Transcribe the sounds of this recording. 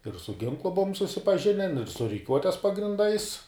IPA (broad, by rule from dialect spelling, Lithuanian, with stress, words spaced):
ɪr sʊ ˈɡʲɪŋklˠʊ ˈbʊʋoːm sʊsʲɪpɐˈʒʲɪnʲɛn ɪr sʊ rʲɪˈkʲuɔtʲɛs pɐɡrʲɪnˈdɐɪs